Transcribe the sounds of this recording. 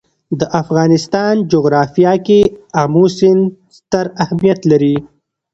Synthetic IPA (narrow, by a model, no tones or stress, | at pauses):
d̪əʔafɣɑːnɪst̪ɑnd͡ʒoɣɾɑːfijɑkeamusɪnst̪əɾahmijat̪laɾi